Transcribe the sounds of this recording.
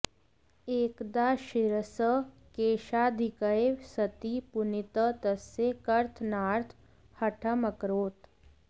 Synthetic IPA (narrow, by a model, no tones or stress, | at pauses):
eːkd̪aːʃɪɾəsə | keːʃaːd̪ʱɪkəeʋsət̪ipʊnit̪ət̪əsekəɾt̪ʰnaːɾt̪ʰ | hɐʈʰəməkɾoːt̪